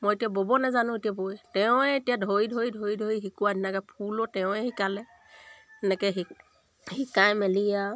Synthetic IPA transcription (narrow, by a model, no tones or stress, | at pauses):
mojetijabobɔnɛzanʊ̃etijabojtɛʊ̃ɛetijadʱoidʱoidʱoidʱoiɦikuwadʱinɛkɛpʰulɔtɛʊ̃ɛhikalɛ | ɛnɛkɛɦi | hikãjmɛlija